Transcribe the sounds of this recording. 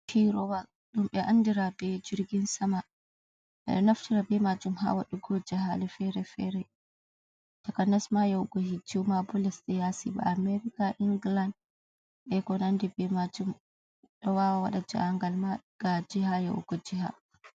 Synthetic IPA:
kʰiɾɔwa | ɗumbɛʔandiɾabɛd͡ʒiɾɡinsama | ɛ̰naftiɾabɛmad͡ʒumɦa̰waɗuɡɔd͡ʒɛɦalɛfɛɾɛfɛɾɛ | takanasmajɛwɡɔhid͡ʒiwmabɔlɛsɗɛjasḭba̰amɛɾikaʔiŋɡland | ʔɛkɔnandɛbɛmad͡ʒum | ɗɔwawaɗad͡ʒa̰aŋɡalmaɡ̥ad͡ʒihajɛ̰w̰ɡɔd͡ʒiɦa̰

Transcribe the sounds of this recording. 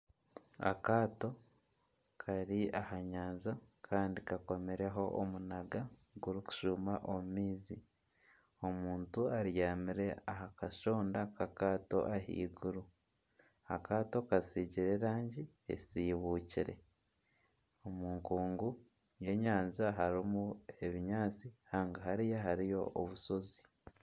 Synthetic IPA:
a̰kaːto̞ | kʰaɾiahaɲaːnzakʰaːndikako̞meɾe̞ɦo̞ʔːmunaɡaɡuɾuku̥ʃumaʔomumiːzi | o̞muːntuaɾjaːmiɾe̞aɦakaʃo̞ːndakakaːto̞̰ʔahḭːɡuɾu | akaːto̞kasiɟiɾe̞ɾaːɲɟi | ḛsiːβuːciɾe̞̰ | omuːŋkuːŋɡu | je̞ɲaːnzaɦaɾimue̞βiɲaːt͡sihaːŋɡaɦaɾijaɦaɾijo̞̰ʔːβuso̞zi

